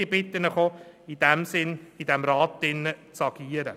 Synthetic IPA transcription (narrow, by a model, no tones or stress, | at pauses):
ibɪt̪ːənəχoidɛmsɪnidɛmɾɑːtdɪnːət͡sɑɡ̥iːəɾə